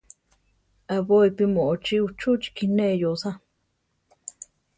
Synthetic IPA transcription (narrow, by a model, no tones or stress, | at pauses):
aβoipimoʔot͡ʃiut͡ʃut͡ʃi̥kinẽʔjosa